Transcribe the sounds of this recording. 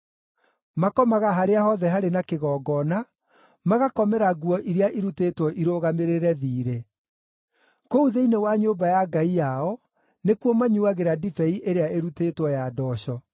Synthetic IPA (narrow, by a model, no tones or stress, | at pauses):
makɔmaɣaɦaɾeahɔðɛɦaɾenakeɣɔːɡɔna | maɣakɔmɛɾaɡuɔʔiɾeaʔiɾuteːtwɔʔiɾoːɣameɾeɾɛðiːɾe | kouðeinewaɲoːbajaɡaijaɔ | nekwɔmaɲuaɣeɾadifɛiʔeɾeaeɾuteːtwɔjadɔɕɔ